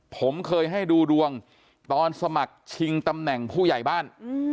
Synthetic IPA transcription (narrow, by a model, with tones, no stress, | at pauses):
pʰo˩˦mkʰɤː˧jɦa˥˩jduː˧ɾu˧əŋ | t̪ɔː˧nsa˧ma˨˩k̚t͡ɕʰi˧ŋt̪a˧mnɛ˨˩ŋpʰuː˥˩ja˨˩jbaː˥˩n